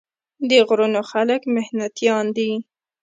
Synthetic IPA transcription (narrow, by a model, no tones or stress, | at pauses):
d̪əɣɾunoxaləkmɪhnat̪jɑnd̪i